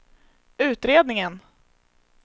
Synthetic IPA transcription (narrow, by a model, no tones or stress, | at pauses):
ʉ̟ːt̪ɾeːd̪nɪŋən